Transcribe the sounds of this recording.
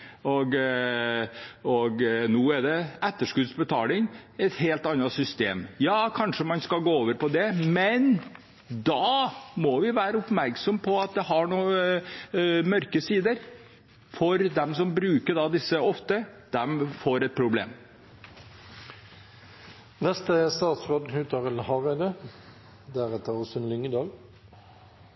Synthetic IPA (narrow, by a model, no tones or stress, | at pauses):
ɔɡ | ɔɡnuːɛd̪ɛɛt̪ːəʂkʉd̪sbət̪ʰɑːlɪŋɛt̪heːlt̪ɑnːɑsʏst̪ḛːmjɑːkʰɑnʂəmɑnskɑɡoːoːʋəɾpɔd̪ɛmɛn | d̪ɑmɔʋɪʋæːɾəʊpmæɾksɔmpʰɔɑt̪̚d̪ɛɦɑɳuː | mœɾkəsiːd̪əɾ | fɔɾd̪ɛmsɔmbɾʉːkəɖɑd̪ɪsːəɔft̪əd̪̥ɛmfoːɾɛt̪̚pʰɾʊblḛːm | nɛst̪əst̪ɑːt̪sʁoːd̪nhʉːt̪ʰɑʁəlhɑʁɛd̪ə | d̪æɾɛt̪əʁɔsənlʏŋəd̪ɑːl